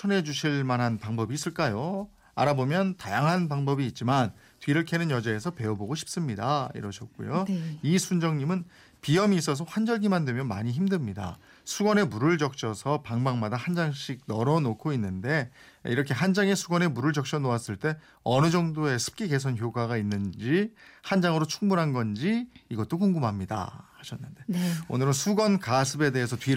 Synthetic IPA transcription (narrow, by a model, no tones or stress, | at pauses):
t͡ɕʰʌnɦe̞d͡ʑuɕʰiɭmanɦanpaŋbʌbiːs͈ɯɭk͈ajo | a̰ɾabomjʌntajaŋɦanpaŋbʌbiːt̚t͡ɕ͈iman | tɥiɾɯɭkʰe̞nɯnjʌd͡ʑaesʰʌpe̞oboɡoɕʰi̥p̚s͈ɯmɲidaḭɾʌɕʰʌt̚k͈ṵjoisʰund͡ʑʌŋɲimɯn | pijʌmiːs͈ʌs̬ʰʌɸwand͡ʑʌɭɡimandwe̞mjʌnma̰ɲiçimdɯmɲida̰ | sʰuɡʌne̞muɾɯɭd͡ʑʌk̚t͡ɕ͈ʰʌsʰʌpaŋbaŋmadahand͡ʑaŋɕʰiɡ̚nʌɾʌnokʰoinːɯnde̞ | iɾʌkʰe̞ɦand͡ʑaŋesʰuɡʌne̞muɾɯɭd͡ʑʌk̚ɕ͈ʰʌnoas͈ɯɭt͈e̞ | ʌnɯd͡ʑʌŋdoe̞sʰɯ̥p̚k͈iɡe̞s̬ʰʌnçjoɡaɡainːɯnd͡ʑihand͡ʑaŋɯɾot͡ɕʰuŋbunɦanɡʌnd͡ʑiːɡʌt̚t͈okoŋɡɯmɦamɲida̰haɕʰʌnːɯnde̞o̰nɯɾɯnsʰuɡʌnkasʰɯbe̞de̞ɦesʰʌtɥi